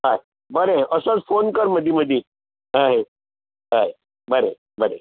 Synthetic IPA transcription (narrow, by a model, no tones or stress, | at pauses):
ɦaɦe | bəɾeəsot͡sfonkəɾməd̪ʱiməd̪ʱi | ɦaɦe | ɦaɦe | bəɾḛ | bəɾḛ